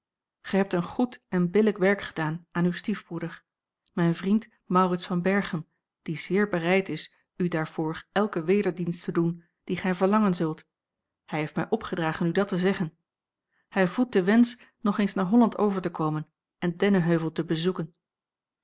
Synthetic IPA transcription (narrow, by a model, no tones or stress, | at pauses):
χɛjɦɛp̚tənχutɛnbɪləkʋɛɹkχədaːnaːnywstivb̥rudəɹ | mɛjnvrint | mɑwrɪtsfɑnbɛɹχəm | d̥iz̥ɪːɹbərɛjtɪs | ydaːɹv̥ʊːɹɛlˠkəʋejdəɹdinstədun | d̥iχɛjvəɹlɑŋənzɵlˠt | hɛjɦejftmɛjʔɔpχədraːχənydɑtəzɛχən | hɛjvut̚dəʋɛns | nɔχejnsnaːɹɦɔlɑntʰowvəɹtəkowmən | ɛndɛnəɦøɥvəlˠtəbəzukən